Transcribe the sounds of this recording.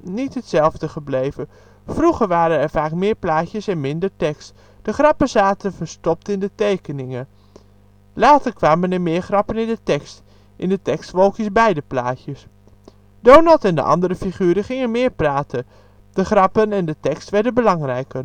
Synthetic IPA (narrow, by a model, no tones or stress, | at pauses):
nitɦətsɛlˠvdəχəblejvə | fruχəɹʋaːɾənɛɹvaːkmɪːɹplaːcəsɛnmɪndəɹtɛkst | d̥əχrɑpəzaːtənvəɹstɔp̚tɪndətejkənɪŋən | laːtəɹkʋaːmənɛmɪːɹχrɑpənɪndətɛkst | ʔɪndətɛkstʋolˠkjəsbɛjdəplaːtjəs | d̥ownɑlˠtɛndə̰ʔɑ̰ndəɾəfiχyːɾəχɪŋənmɪːɹpraːtʰən | d̥əχrɑpənɛndətɛkstʋɛɹdənbəlɑŋrɛjkər